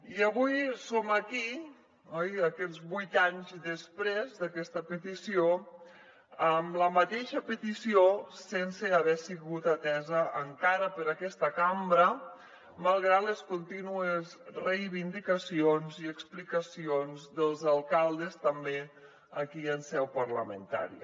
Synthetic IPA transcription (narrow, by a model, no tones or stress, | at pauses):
iəβujsoməki | ɔjəkɛd͡zβujt̪aɲzðəspɾezd̪əkɛst̪əpət̪isio | əmləmət̪eʃəpət̪isiosensəəβɛsiɣut̪at̪ɛzəʔːŋkaɾəpəɾəkɛst̪əkambɾə | malˠɣɾat̪ləskunt̪inuəzrejβind̪ikəsionziəksplikəsionzðəlˠzəlˠkalˠd̪əst̪əmbe | əkiənsɛwpəɾləmə̰nt̪a̰ɾḭ